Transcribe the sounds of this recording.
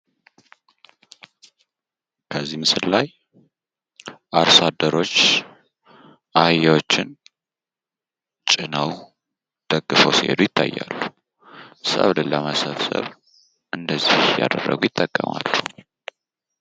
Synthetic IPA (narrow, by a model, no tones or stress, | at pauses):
kʰəzːimɨsɨllːaj | ʔaɾsad̪ːəɾo̞t͡ʃː | ʔajːawot͡ʃːɪn | t͡ʃʼɪnəw | d̪̥əɡːɨfəwsihed̪ujɪt̪ʰːa̰jːa̰lːu | sə̰βlɨləməsəβsə̰β | ʔɨnd̪əzːihja̰d̪ərːə̰ɡujɪt̪ʼːəkʼːəmalːu